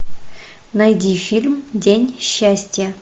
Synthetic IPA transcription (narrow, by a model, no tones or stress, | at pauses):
nɐjdʲifʲilʲmdʲenʲɕːæsʲtʲjə